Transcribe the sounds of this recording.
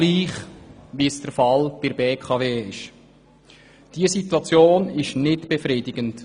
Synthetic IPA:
liːχʋisd̥əɾfɑlb̥ɪɾbeːkʰɑveːɪʃ | d̥iəsituɑt͡sjoːnɪʃnɪtb̥efɾiːdɪɡənt

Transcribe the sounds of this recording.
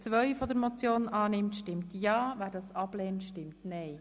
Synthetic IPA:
t͡sʋœʏfɔd̪əɾmɔt͡sjoːnɑːnɪmtʃtɪmtjɑːʋæːɾdɑsɑblɛːntʃtɪmtnɛɪ

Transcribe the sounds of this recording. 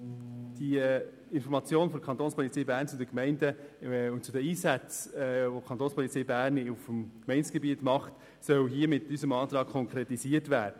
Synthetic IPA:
d̥i | ɪnfɔɾmɑt͡sjoːnfɔkʰɑnt̪oːnspʰɔlit͡sɛjbæːɾnt͡sʊdəkmɛɪndəʊnt͡sud̪əiːsæt͡sːvokʰχɑnt̪oːnspʰɔlit͡sɛɪbæːɾnufəmkmɛɪnsɡ̥ɛbiətmɑχt | sœwɦiəmɪtysəmɑːt̪ɾɑːk̚kʰːɔŋkɾetisiətvæːɾdə

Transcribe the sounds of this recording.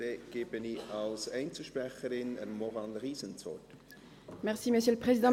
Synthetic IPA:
eɡ̥eːb̥əniɑlsɛɪnt͡səlʃpɾɛχəɾɪnə̰nmɔʁɑnd̪əʁiːsənt͡sɔ̰t | mɛʁsiməsjøləpχezid̪ɑ̃

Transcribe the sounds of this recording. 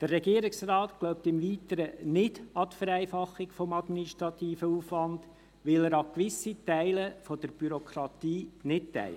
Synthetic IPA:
d̥əɾrɛɡiːɾɪksrɑːt̪ɡ̥lɔʊp̚t̪ɪmviːt̪əɾənɪd̥ɑt̪fəɾæɪfɑχːɪkfɔmɑd̪miniʃt̪ɾɑt̪iːfəuːfʋɑnd̥ | ʋɪlæɾɑkʋɪsːitæɪləfɔd̥əɾb̥yɾɔkʰɾɑt̪iːnɪt̚tæ̰ɪ

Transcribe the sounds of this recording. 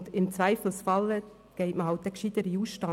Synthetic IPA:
dɪmt͡svæɪfl̩sfɑlə | ɡ̥ɛɪtməɦɑlt̚d̥̪ɛkʃid̥̪əɾiuːsʃtɑ

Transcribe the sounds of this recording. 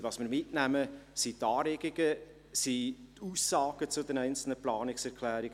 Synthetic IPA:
vɑsmɪːɾmɪtnæməsitɑːɾɛɡɪɡə | sit̪uːsːɑːɡ̥ət͡sʊdɛnɛɪnt͡sl̩nəplɑːnɪksɛɾkʰlæːɾɪɡ

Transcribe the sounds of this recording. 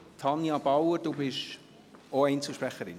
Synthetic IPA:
tʰɑnjɑbɑwəɾd̥ubɪʃ | oɛɪnt͡suʃpɾɛχːəɾɪ̰n

